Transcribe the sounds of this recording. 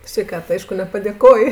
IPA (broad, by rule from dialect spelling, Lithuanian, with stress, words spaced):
sʲʋʲɛɪˈkɐt ˈɐɪʃkʊ nʲɛpɐdʲeːˈkoː